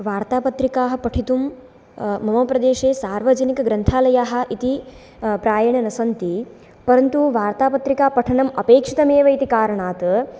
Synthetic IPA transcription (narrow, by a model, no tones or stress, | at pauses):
ʋaːɾt̪aːpɐt̪ɾikaːɦɐ̆pɐʈʰit̪umː | ɐmoːpɾɐd̪eːʂeːsaːɾʋɐd͡ʒɐnikɐɡɾɐnt̪ʰaːlɐjaːɦɐ̆ʔit̪i | pɾaːjɐɳɐnɐsɐnt̪i | pɐɾɐnt̪uʋaːɾt̪aːpɐt̪ɾikaːpɐʈʰɐɳɐmɐpeːkʂi̥t̪ɐmeːʋɐit̪ikaːɾɐɳaːt̪